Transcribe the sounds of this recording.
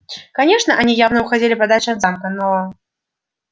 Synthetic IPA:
kanʲɛʂnɐʔanʲijawnɐwxad͡zʲelʲɪpɐd̪at͡ʃɐd̪zamkɐnɔlˠɐ

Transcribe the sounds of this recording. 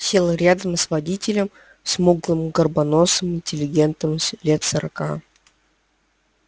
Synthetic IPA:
sʲe̞lˠɾʲad̪əmsvɐdʲitʲɪlʲəm | sʲmuɡlˠɨmɡərbɐnosəmɪnʲtʲɪlʲɪɡʲe̞nt̪əmlʲe̞t̪səɾɐka̰

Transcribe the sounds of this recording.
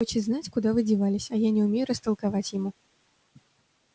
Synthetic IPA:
ɔt͡ɕɪznat͡sʲkud̪avɨd͡zʲivalʲɪsʲɐjanʲɛumʲejuɾəst̪ɐlˠkavat͡sʲjamu

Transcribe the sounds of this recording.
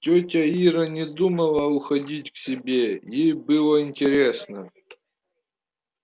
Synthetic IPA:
tʲotʲəiɾənʲɪd̪uməlˠəʊxɐdʲitʲfsʲɪbʲejejbɨlˠəɪnʲtʲɪɾʲesnə

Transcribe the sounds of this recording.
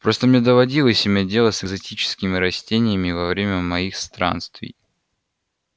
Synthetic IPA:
pɾo̞st̪əmnʲed̪əvɐdʲilˠəsʲɪbʲedʲe̞lˠəsɨzɐtʲit͡ɕɪ̥skʲɪmʲɪɾɐsʲtʲenʲɪjəmʲɪvɐvɾʲemʲəmɐixst̪ɾa̰nst̪vʲɪ̰j

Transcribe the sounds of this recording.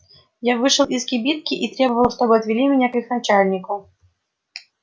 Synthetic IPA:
javɨʂɨlˠʔiskʲɪbʲit̪̚kʲɪʔit̪ɾʲebəvəlˠʂt̪o̞bɨɐt̪vʲɪlʲimʲɪnʲakɨxnɐt͡ɕalʲnʲɪkʊ

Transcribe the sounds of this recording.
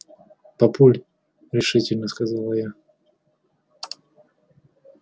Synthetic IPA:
pɐpulʲ | ɾʲɪʂɨtʲɪlʲnəskazalˠəja

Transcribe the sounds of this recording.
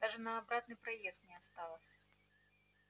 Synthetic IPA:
d̪aʐɨnɐːbɾat̪nɨpɾajɛst̪̚nʲɛast̪alˠəsʲɐ̥

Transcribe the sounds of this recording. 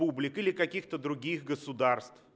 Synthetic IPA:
ublʲɪkɪlʲɪkɐkʲixt̪əd̪ɾʊɡʲixɡəsʊd̪arst̪f

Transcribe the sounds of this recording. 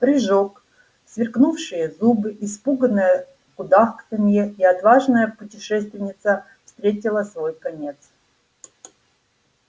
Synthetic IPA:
pɾʲɪʐok | svʲɪrknufʂɨjəzubɨʔɪspuɡənɨjə | kʊd̪axksɪmjeiɐt̪vaʐnəjəpʊtʲɪʂɛst̪vʲɪnʲɪt̪sə | fst̪ɾʲetʲɪlˠəsvo̞jkɐnʲe̞t̪s

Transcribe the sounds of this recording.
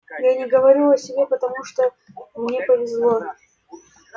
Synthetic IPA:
janʲɪɡəvɐɾʲilˠɐsʲɪbʲepət̪ɐmuʂt̪o | mnʲepəvʲɪzlˠo

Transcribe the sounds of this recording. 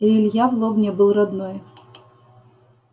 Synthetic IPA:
iɪlʲjavlˠɔbnʲɛbɨlˠrɐd̪nɔj

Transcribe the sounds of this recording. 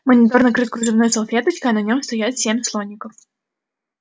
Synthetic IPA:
mənʲɪt̪ornəkɾɨt̪̚ʲkɾʊzɨvnojsɐlˠfʲet̪ət͡ɕkəɐnɐnʲomst̪ɐjat̪sʲemʲslˠonʲːɪkəf

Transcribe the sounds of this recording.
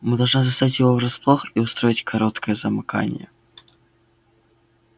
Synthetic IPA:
mɨd̪ɐlˠʐnɨzɐst̪atʲjɪvovɾɐsplˠoxiʊst̪ɾoɪtʲkʰɐɾot̪kəjəzəmɨka̰nʲɪ̰jə̰

